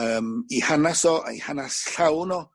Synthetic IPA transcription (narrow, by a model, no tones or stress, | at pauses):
əːmihanasɔʔa̰ḭhanasɬawnɔ